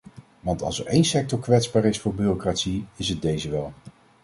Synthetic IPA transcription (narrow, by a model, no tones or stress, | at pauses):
ʋɑntɑ̰lˠsəɹejnsɛk̚tɔɹkʋɛtzbaːɹɪsfʊːɹbyːrokratsiɪsəd̚dejzəʋɛlˠ